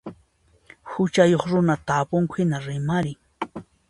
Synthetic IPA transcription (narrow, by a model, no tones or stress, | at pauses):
hʊt͡ʃajoχɾʊnat̪aːpʊŋkʷʰɪnaɾɪmaɾɪŋ